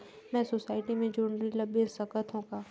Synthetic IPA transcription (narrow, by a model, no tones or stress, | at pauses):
mɛ̃ːsosaːɪʈimẽd͡ʒoːɳɾilɐbẽsəkət̪ɦõkaː